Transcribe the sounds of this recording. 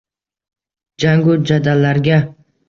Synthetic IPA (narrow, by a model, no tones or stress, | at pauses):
d͡ʒaŋɡʊd͡ʒad̪alːaɾɡʲa